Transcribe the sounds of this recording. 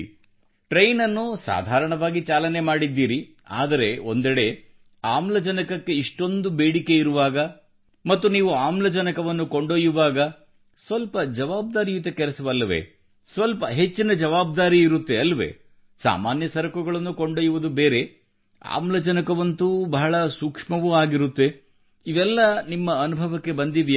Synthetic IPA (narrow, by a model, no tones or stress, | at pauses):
ʈɾejnɐnːusa̰ːd̪ʱaːɾɐɳɐʋaːɡit͡ʃaːlɐne̞maːɽid̪ːiːɾi | a̰ːd̪ɐɾe̞o̞nd̪ɛɽe̞ | aːmlɐd͡ʒɐnɐkɐkːe̞iʂʈo̞nd̪ubeːɽike̞iɾuʋaːɡɐ | mɐt̪ːuniːʋuaːmlɐd͡ʒɐnɐkɐʋɐnːuko̞ɳɖoːjuʋaːɡɐ | sʋɐlpɐd͡ʒɐʋaːb̚d̪aːɾijut̪̬ɐkɛlɛsɐʋɐlːɐʋe̞̰ | sʋɐlpɐɦe̞t͡ʃːinɐd͡ʒɐʋaːb̚d̪aːɾiːɾut̪ːe̞ɐlːɐʋḛː | sa̰ːmaːnjɐsɐɾɐkuɡɐɭɐnːuko̞ɳɖoːjuʋud̪ubeːɾe̞ | a̰ːmlɐd͡ʒɐnɐkɐʋɐnt̪ubɐɦɐɭɐsukʂmɐʋuaːɡiɾut̪ːe̞ | iʋɛlːɐnimːɐːnubʱɐʋɐkːe̞bɐnd̪iʋi